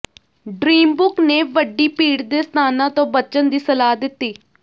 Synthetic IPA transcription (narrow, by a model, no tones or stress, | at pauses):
ɖɾiːmbʊkneːʋəɖːiːpiːɽd̪eːst̪ʰaːnãːt̪õːbət͡ʃənd̪iːsəlaːd̪ɪt̪ːiː